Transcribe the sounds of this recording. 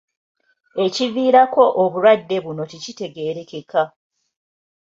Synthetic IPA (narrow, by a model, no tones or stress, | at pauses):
e̞civiːɾako̞ʔoβuɾwadːe̞βuno̞ticite̞ɡe̞ːɾe̞ke̞kʰa